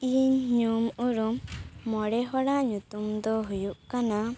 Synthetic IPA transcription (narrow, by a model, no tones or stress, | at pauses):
iɲɲumuɾumːɔɽɛɦɔɽaʔɲut̪umd̪ɔɦujuʔkana